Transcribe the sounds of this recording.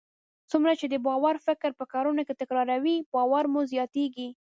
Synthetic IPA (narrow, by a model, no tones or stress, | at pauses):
t͡sumɾat͡ʃed̪əbɑwaɾfɪkɾpəkɑɾunoket̪ɪkɾɑɾawibɑwaɾmuzjɑt̪eɡi